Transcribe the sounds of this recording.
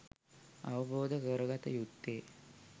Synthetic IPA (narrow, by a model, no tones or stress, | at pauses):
ɐʋəboːd̪əkəɾəɡat̪əjut̪ːeː